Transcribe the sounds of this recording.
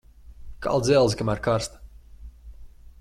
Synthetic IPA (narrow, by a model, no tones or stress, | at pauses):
ka̰lˠd̪zʲɛlˠzikamæɾkaɾst̪